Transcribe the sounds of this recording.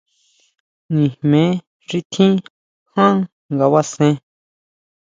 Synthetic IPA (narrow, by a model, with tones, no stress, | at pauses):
nĩ˨hmẽ˨˦ | ʐi˧t̪ʰĩ˦ | hã˦ | ŋɡa˧βa˦sẽ˧˦